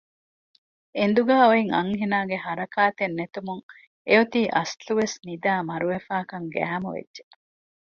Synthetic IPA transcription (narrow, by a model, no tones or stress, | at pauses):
end̪uɡæːoeŋɐ̰ŋɦinaːɡeɦɐɾɐkaːt̪enːet̪umuŋ | eot̪iːʔɐsluʋesnid̪aːmɐɾuʋefaːkɐŋɡæ̰ːmuʋḛdːʒe